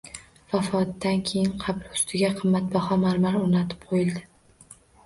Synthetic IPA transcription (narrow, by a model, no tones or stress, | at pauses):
vafɒt̪ːankʲʰe̞jɪnqʰɑblʊ̥st̪ʰɪɡʲaqʰɨmːat̪̚bɒhɒmaɾmaɾoɾnat̪ʰɪ̥p̚qʰojɪlˠd̪ɪ